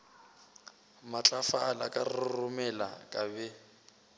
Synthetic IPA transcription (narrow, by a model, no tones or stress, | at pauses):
mat͡ɬʼafaːlakʼarɪrʊmɛla̰kʼabɛ